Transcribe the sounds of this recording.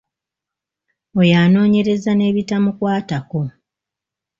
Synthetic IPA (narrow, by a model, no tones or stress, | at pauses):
ojaːno̞ːɲe̞ɾe̞zane̞ːβitamukwaːtako̞